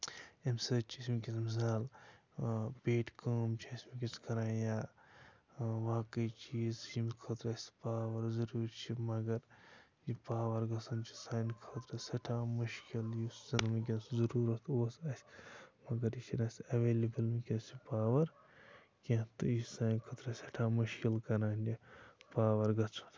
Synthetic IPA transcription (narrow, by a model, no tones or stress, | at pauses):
emsɐt͡ʃʰismikismis̬aːl | peːʈʰkəːmt͡ʃʰisʲmikʲiskɐɾãːjaː | ʋaːkɐjt͡ʃiːzimkʰɐːt̪ɾɐsʲpaːʋɐɾzɐɾuːɾt͡ʃʰimɐɡɐɾ | d͡ʒipaːʋɐɾɡɐt͡sʰɐnt͡ʃʰi̥saːnkʰɐt̪ɾɐsʲɐʈʰaːmuʃkiljiszinmik̬ʲenszɐɾuːɾɐt̪ʰoːsɐsʲmɐɡɐɾiʃinɐsʲɐʋelibilmikʲẽnsipaːʋɐɾ | kẽt̪uisaːjnkʰɐt̪ɾɐsʲɐʈʰamuʃkilkɐɾaːnd͡ʒipaːʋɐɾɡɐt͡sʰɐ̥n